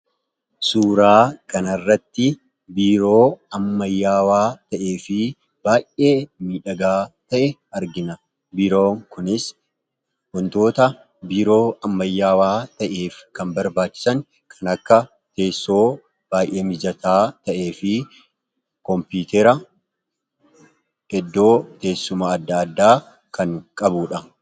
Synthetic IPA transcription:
suːɾaːkɐnɐrːɐt̪ːɪ | biːɾo̞ːɐmːɐjːaːwaːt̪ɐʔe̞ːfɪ | b̥aːjʔʔe̞ːmiːᶑɐɡaːt̪ɐʔɛɐɾɡɪnɐ | biːɾoːŋkʊnɪs | wɔnt̪o̞ːt̪ɐ | biːɾo̞ːɐmːɐjːaːwaːt̪ɐʔeːfkɐnbɐɾbaːt͡ʃːɪ̥sɐŋ | kʰɐnɐkːɐ | t̪eːsːo̞ː | b̥aːjʔe̞ːmɪd͡ʒɐt̪ʰaːt̪ɐʔe̞ːfɪ | kɔmpiːt̪ɛɾɐ | ɛd̪ːo̞ːt̪e̞ːsːʊmaːd̪ːɐːd̪ːaː | kɐŋkʼɐbuːᶑɐ

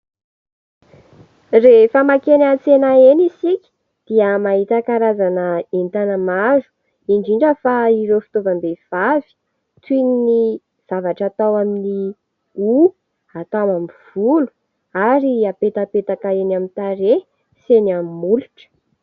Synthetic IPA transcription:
refəmakenat͡senaenisikʲi̥ | d̪̥iəmaɦit̪akaɾazanəent̪anəmazu̥ | iɳɖ͡ʐiɳɖ͡ʐəfaiɾefi̥t̪ovambev̥avi̥ | t̪inini | v̥avaʈ͡ʂat̪awamini | u | at̪amamiv̥ulu̥ | aɾiapet̪apet̪akaenamint̪aɾe | senamimuluʈ͡ʂə̥

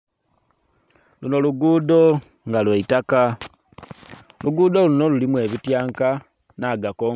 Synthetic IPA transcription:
luno̞luɡuːdo̞ | ŋɡalweitaka | luɡuːd̪o̞luno̞lulimwe̞ːβitjaːŋka | naːɡako

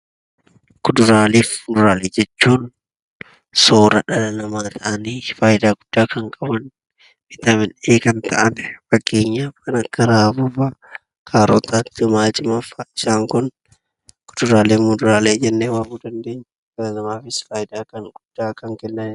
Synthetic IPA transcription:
kʊd̪ʊɾaːleːfʊd̪ʊɾaːleːd͡ʒɛt͡ʃːuːn | soːɾɐᶑɐlɐnɐmaːt̪ʰɐʔɐniːfaːjɪd̪aːɡ̥ʊd̪ːaːkɐŋkʼɐbɐn | mɪt̪ɐmɪneːkɐnt̪ʰɐ̰ʔɐnfɐɡʼe̞ːɲːaːfkɐnɐkːɐɾaːfʊfɐ | kʰaːɾo̰ːt̪at̪ːɪmaːt͡ʃʼɪmɐfaɪʃaːŋkʊn | kʊ̥d̪̥ʊɾaːleːmʊd̪ʊɾaːleːd͡ʒɛnːeːwaːbuːd̪ɐnd̪eːɲːɐᶑɐlɐnɐmaːfɪsfaːjɪd̪aːkɐŋɡʊd̪̥ːaːkɐŋkɛnːɐnɪ

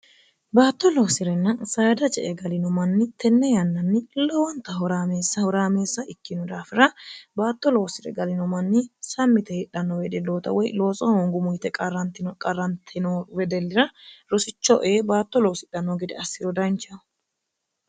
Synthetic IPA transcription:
baːt̪ːɔlo̞ːsɪɾɛnːɐnsaːd̪ɐt͡ʃɛʔɛɡɐlɪnɔmɐnːɪt̪ʰɛnːɛjɐnːɐnːɪlɔwɐnt̪ːɐɦɔɾaːmeːsːɐhɔɾaːmeːsːɐʔɪkːɪnʊd̪aːfɪɾɐbaːt̪ːɔlo̞ːsɪɾɛ̰ɡɐlɪnɔmɐnːɪsɐmːɪt̪ɛhɪᶑɐnːɔwɛd̪ɛlːoːt̪ɐ̰wɔjlo̞ːt͡sʼɔhoŋɡʊmʊjɪt̪ɛkʼɐrːɐnt̪ɪnkʼɐrːɐnt̪ʰɪnɔwɛd̪ɛlːɪɾɐɾɔsɪt͡ʃːɔʔeːbaːt̪ːɔloːsɪᶑɐnːɔɡɪd̪ɛɐsːɪɾɔd̪ɐnt͡ʃːɐ

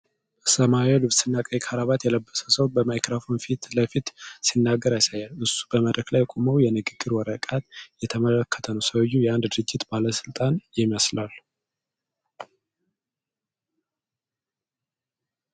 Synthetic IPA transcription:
səmaolɨβsɨnːakʼəjkʰaɾaβat̪jɛləbːəsə̥səwbəmajkɾafo̞nfit̪ləfit̪sinːaɡːəɾjasajalɨsu̥bəməd̪ɾəklajkʼoməwjɛnɨɡɨɡːɨɾwɔɾəkʼat̪jɛt̪ʰəmələkːə̥t̪ʰənəwsəwjːujɛand̪d̪ɨɾɨd͡ʒːɪt̪baləsɨlt̪ʼanjɪməslal

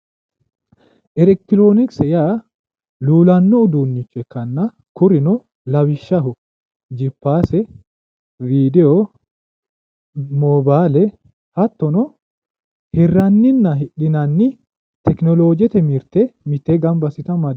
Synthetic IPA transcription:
ʔɛɾɛk̚t̪ːɪɾoːnɪksɛjaː | luːlɐnːɔʊd̪uːnːɪkːɛkːɐnːɐ | kʊɾɪnɔ | lɐwɪʃːɐɦʊ | d͡ʒɪpːaːsɛ | viːd̪ɛɔ | mɔːbaːlɛ | hɐt̪ːɔnɔ | hɪrːɐnːɪnːɐɦɪᶑɪnɐnːɪ | t̪ɛknɔloːd͡ʒɛt̪ɛmɪɾt̪ɛmɪt̪ːeɡɐmbɐsɪt̪ɐmɐd̪

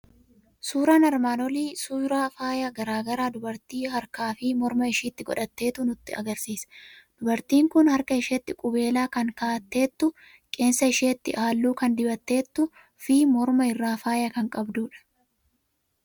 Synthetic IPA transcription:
suːɾaːnɐɾmaːnɔliːsuːɾaːfaːjɐɡɐɾaːɡɐɾaːd̪ʊbɐɾt̪iːɦɐɾkaːfɪmɔɾmɐɪʃiːt̪ːɪɡɔ̰ᶑɐt̪ːe̞ːt̪ʊnʊt̪ːɪɐ̰ɡɐɾsiːsd̪̥ʊbɐɾt̪iːŋkʊnhɐɾkɐɪʃeːt̪ːɪkʼʊbe̞ːlaːkɐŋkaːt̪ːe̞ːt̪ːʊ | kʼe̞ːnsɐɪʃeːt̪ːɪʔaːlːuːkɐnd̪ɪbɐt̪ːe̞ːt̪ːʊ | fɪmɔɾmɐɪrːaːfaːjɐkɐŋkʼɐbd̪uːᶑɐ̥

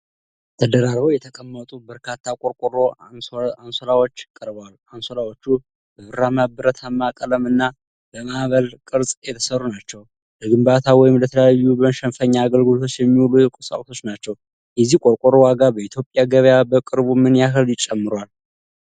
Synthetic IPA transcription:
t̪ʰəd̪əɾaɾβəwjɛt̪ʰəkʼəmːət̪ʼubəɾkʰat̪ʰːakʼoɾkʼoɾo | ansolawot͡ʃːkʼəɾbalansolawot͡ʃːu | bəβɨɾamabɨɾət̪ʰamːakʼələmɨnːa | bəmaʔβəlkʼɨɾsʼjɛt̪ʰə̥sərːunat͡ʃːɛw | ləɡɨmbat̪ʰawɔjɪmlət̪ʰələjajːubəʃɛnfəɲːaːɡəlɡɨlot̪ʰo̞t͡ʃːjɛmːiwulujɛkʼusʼa̰wt̪ʰo̞t͡ʃːnat͡ʃːɛw | jɛzihkʼo̞ɾkʼoɾowaɡabəit̪ʰjo̞pʼjaɡəβjabəkʼɨɾβumɨnjaɦɨljɪt͡ʃʼːɛmːɨɾwal

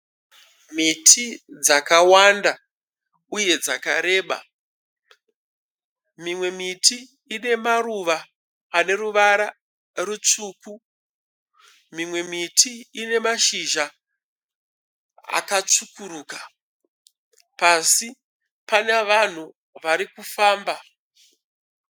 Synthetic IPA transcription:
mitʰid͡zakawanda | uje̞d͡zakaɾe̞ːɓa̰ | mimwe̞mitiː | ne̞maruʋaː | ne̞ɾuʋaɾa | rut͡ʂuːku | mimwe̞mitiːne̞maʃiʒa | a̰kat͡ʂukuruːka | pasi | paneʋan̤u | ʋaɾikufaːmba

